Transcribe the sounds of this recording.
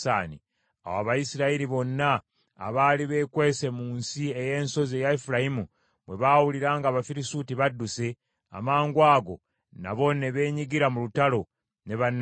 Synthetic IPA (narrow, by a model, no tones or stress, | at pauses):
aːnḭ | a̰waβajisiɾaiɾiβo̞nːa̰ː | βaːliβe̞ːkwe̞ːse̞muːnsie̞je̞ːnso̞zejaefiɾaimu | mwe̞βaːwuliɾaːŋɡaβafiɾisutiβadːuse̞ | a̰maːŋɡwaːɡo̞̰ | na̰βo̞ne̞βe̞ːɲiɡiɾamulutalo̞ | ne̞βanː